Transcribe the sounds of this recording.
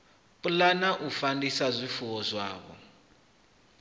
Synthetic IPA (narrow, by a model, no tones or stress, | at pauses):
pʼulanaʔufandisazʷifuβɔzʷaːβɔ̰